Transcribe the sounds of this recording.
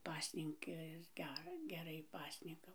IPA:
ˈpɑːsʲnʲɪŋkɐs ˈɡʲɛr ɡʲɛˈrɐɪ ˈpɑːsʲnʲɪŋkɐʊ

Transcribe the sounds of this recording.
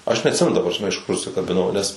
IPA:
ˈɐʃ nʲɛɐtʲˈsʲɪmʲɛnʊ tɐ prɐsʲˈmʲɛ ɪʃ kʊr ʊʃʲsʲɪkɐbʲɪˈnɐʊ nʲɛs

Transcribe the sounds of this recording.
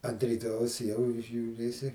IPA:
ɐnt rʲiːˈtoːjɛʊs jɛʊ ʒʲuːˈrʲeːsʲɪ

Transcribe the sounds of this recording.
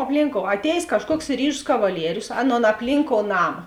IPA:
ɐpʲˈlʲiːŋˌkoːʊ ɐˈtʲɛːjeːs ˈkɑːʃˌkuɔks ˈrʲiːʒʊs kɐʋɐˈlʲiɛrʲʊs ˈɑːˌnoːn ɐpʲˈlʲiːŋˌkoːʊ ˈnɑːmɐ

